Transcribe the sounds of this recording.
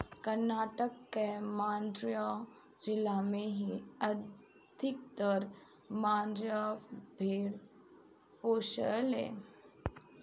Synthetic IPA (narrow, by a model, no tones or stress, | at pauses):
kəɾnaːʈəkːemãːnd̪ɾjɔ̃ | d͡ʒɪlamẽɦiə | d̪ʱɪk̚t̪əɾ | mãːnd̪ɾjabʱeːɽ | poːʃəlḛ